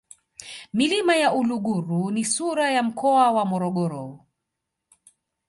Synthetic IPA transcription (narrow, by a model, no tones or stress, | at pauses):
milimajaʔuluɠuɾunisuɾajam̩kʰɔawamɔɾɔɠɔɾɔ